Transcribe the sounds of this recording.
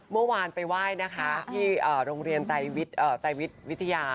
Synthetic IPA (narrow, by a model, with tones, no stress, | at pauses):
mɯ˥˩waː˧npa˧jwaː˥˩jna˦˥kʰa˦˥t̪ʰiː˥˩ʔɤː˨˩ɾoː˧ŋɾi˧ənt̪a˧jwi˦˥t̪̚ʔɤː˨˩t̪a˧jwi˦˥t̪̚wi˦˥t̪ʰːa˧jaː˧